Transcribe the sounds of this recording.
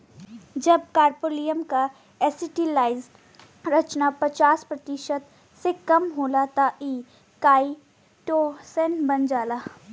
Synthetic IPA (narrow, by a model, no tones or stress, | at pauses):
d͡ʒɐb̚kaːɾpoːlijəmka | ɛsɪʈilaːɪz | ɾɐt͡ʃnapɐt͡ʃaːspɾɐt̪ɪʃət̪ | sekɐmɦoːlat̪aʔiː | kaːi | ʈoːsɛnbɐnd͡ʒaːlaː